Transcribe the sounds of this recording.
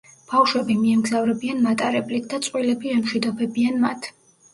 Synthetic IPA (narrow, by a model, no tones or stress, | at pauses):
b̥afʃwɛbimiɛmɡzavɾɛbianmat̪ʼaɾɛblit̪̚ʰd̪at̪sʼqʼwilɛbiɛmʃwid̪ɔbɛbianma̰t̪ʰ